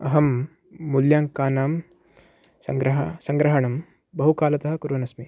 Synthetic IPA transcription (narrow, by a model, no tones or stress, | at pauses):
ɐɦɐmː | uljaːŋkaːnaːm | sɐ̰ŋɡɾɐɦsɐŋɡɾɐɦɐɳɐm | bɐɦukaːlɐt̪ɐɦɐ̆kuɾʋɐnɐsmi